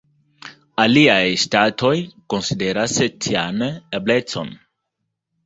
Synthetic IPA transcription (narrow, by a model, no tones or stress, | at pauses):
aliajstato̞jko̞nside̞ɾastʰianeble̞t͡so̞̰n